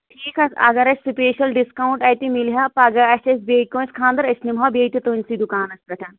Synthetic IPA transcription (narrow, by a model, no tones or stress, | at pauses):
ʈʰiːkɐɐ̰ɡɐɾɐt͡ʃʰʲsupeːʃɐlɖiskaːw̃ɳʈɐːt̪imilɦaːpɐɡɐɐt͡ʃɐs̬beːkõːnskʰãːnd̪ɐɾɐsnimɦɐbeːt̪it̪oːnsid̪ukaːnɐspɐʈʰɐn